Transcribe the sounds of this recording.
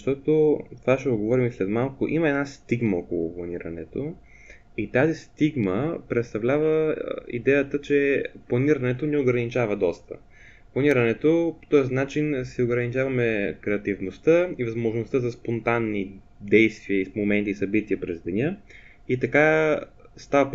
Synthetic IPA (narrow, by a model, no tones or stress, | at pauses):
ʃt̪ɔt̪ot̪ovaʃɛʊdɡovɔɾimislɛt̪malˠkʊʔiməɛd̪nast̪iɡməɔkolˠʊ̰plˠɐniɾɐnɛ̰t̪o̰ | it̪azist̪iɡməpɾɛt̪st̪ɐvlʲavəḭd̪ɛjət̪ət͡ʃɛplˠɐniɾɐnɛt̪onɛoɡɾɐnit͡ʃavəd̪ɔst̪ə̰ | plˠɐniɾɐnɛt̪opo̥t̪ɔəsnat͡ʃinsɛoɡɾɐnit͡ʃavɐmɛkɾɛɐt̪ivnost̪əivɐzmoʒnost̪əzɐspont̪anːi | d̪ɛjst̪viəismomɛnt̪iːsɐbit̪iəpɾɛzd̪ɛnʲə | it̪ɐka | st̪avɐp